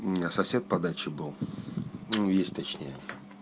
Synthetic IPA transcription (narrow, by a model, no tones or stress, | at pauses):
asɐsʲe̞t̪̚pɐd̪at͡ɕɪbɨlˠ | nujesʲtʲt̪ɐt͡ɕnʲḛjə